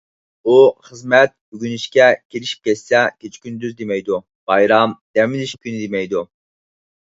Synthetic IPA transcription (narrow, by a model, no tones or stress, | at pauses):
uχəzmɛt̪̚byɡʲyniʃkʲɛkʲʰeliʃi̥p̚kʲʰɛt̪sɛkʲet͡ʃʰi̥kʲynd̪yzd̪emɛjd̪u | b̥ɑjɾɑmd̪̥ɛmiliʃkʲynɪd̪emɛjd̪u